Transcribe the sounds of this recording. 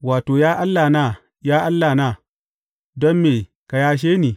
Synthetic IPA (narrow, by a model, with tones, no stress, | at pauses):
waː˨toː˨jaː˦ʔa˦lːaː˨na˦˨ | jaː˦ʔa˦lːaː˨naː˦˨ | dɔ˦mːeː˨ | ka˨jaː˦ʃ̬eː˦niː˨